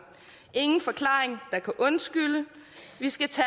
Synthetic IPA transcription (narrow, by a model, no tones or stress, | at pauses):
ʔe̝ŋn̩fɒ̽kʰlɑ̰̈ːeŋd̥ɑ̈kʰæʔɔ̽nsɡ̥ylə | ʋisɡ̥æt͡sʰɛ